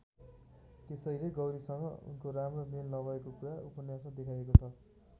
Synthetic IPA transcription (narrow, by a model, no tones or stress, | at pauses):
t̪esʌjleɡʌwɾisʌŋɡʌ̰ṵnkoramrʌmelnʌbʌekokuɾaupʌnjasmad̪ekʰajekot͡sʰʌ